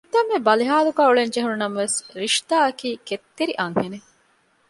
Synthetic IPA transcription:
d̪ɐmːebɐliɦaːluɡaːuɭeɲd͡ʒeɦununɐmɐʋesɾiʂt̪aːɐkiːket̪ːeɾiʔɐŋhene

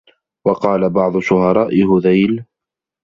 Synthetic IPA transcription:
wɑqɑːlabɑʕd̪ˤʊʃʊhɑɾˤɑːʔɪhʊðajl

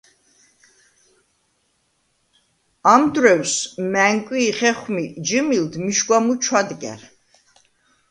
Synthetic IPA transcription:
amd̪ɾɛwsmæŋkʼwiːχɛχmid͡ʒəmild̪miʃɡʷwamut͡ʃʰwad̪ɡɛ̰ɾ

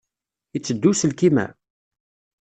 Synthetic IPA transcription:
it͡sːəd̪ːusəlkimæ̰

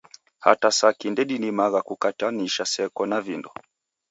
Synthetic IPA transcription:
ha̰tasakindɛɗinimaɣakukataniʃasɛkɔnavindɔ

